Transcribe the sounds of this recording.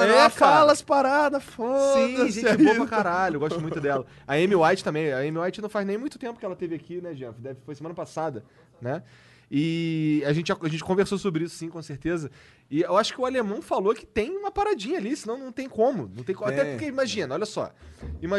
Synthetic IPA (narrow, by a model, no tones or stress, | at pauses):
fkalɐspaɾad̪ɐfõsĩd̪ɐʒẽt͡ʃt͡ʃbopaakaɾaʎʊewɡɔst̪mũjt̪ʊd̪ɛlɐ | ɐẽmiwajt͡ʃɪ̥t̪ɐ̃mbẽj̃ɐẽmiwajt͡ʃɪnɐ̃w̃faznẽj̃mũj̃t̪ʊt̪ẽmpʊ̥kɪɛlɐt̪evɪakinɛd͡ʒiɐ̃mfd̪ɛvɪfojsemɐ̃nɐpasad̪ɐ | nɛ | ɪaʒẽnt͡ʃɪʒaaʒẽnt͡ʃɪ̥kõveɾsosobɾɪisʊ̥sĩkõseɾt̪ezɐ | ɪewaʃʊ̥kɪʊalemɐ̃w̃falokɪ̥t̪ẽj̃ũmɐpaɾad͡ʒĩɲɐalisɪnɐ̃w̃nɐ̃w̃t̪ẽj̃kõmʊnɐ̃w̃t̪ẽj̃kõaɛkeimaʒĩnɐɔlʲjɐsɔ̰ima